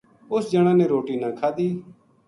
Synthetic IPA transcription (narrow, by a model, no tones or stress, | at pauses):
ʊsd͡ʒəɽ̃ãːnẽːɾoːʈiːnãːkʰaːd̪iː